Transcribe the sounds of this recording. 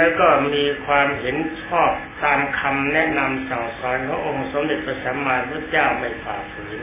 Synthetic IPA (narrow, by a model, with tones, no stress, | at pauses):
ɛː˦˥˩kɔː˥˩miː˧kʰwaː˧mhe˩˦nt͡ɕʰɔː˥˩p̚t̪aː˧mkʰa˧mnɛ˦˥ʔna˧msa˨˩ŋsɔː˨˦nkʰaː˦˥ŋʔo˧ŋso˨˦mde˨˩t̪̚pʰa˧˩saː˩˦˥maː˧pʰu˥˩t̪̚t͡ɕaː˥˩wma˥˩jfaː˨˩fɯː˨˦